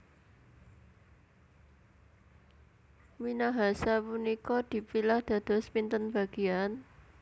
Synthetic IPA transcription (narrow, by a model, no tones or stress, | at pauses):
minaɦasapunikɔd̪̥i̤pilahd̪̥ä̤d̪̥ɔ̤spint̪ənb̥a̤ɡ̥e̤an